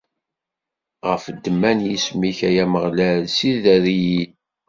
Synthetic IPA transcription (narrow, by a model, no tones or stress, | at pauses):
ʁəfd̪ːəmːænjismiçæjæməʁlælsiðæðiji